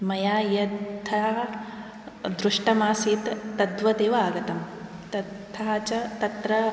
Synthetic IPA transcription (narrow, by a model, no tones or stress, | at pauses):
mɐjaːjɐt̪ʰɐ | d̪ɾuʂʈɐmaːsiːt̪ːɐd̪ʋɐd̪eːʋɐaːɡɐt̪ɐmt̪ɐt̪ʰːat͡ʃɐt̪ɐt̪ɾɐ